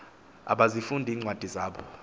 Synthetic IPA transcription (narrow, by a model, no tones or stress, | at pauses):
a̰ɓazifundʱiːŋ͡ǀwad̥ʱizaːɓɔ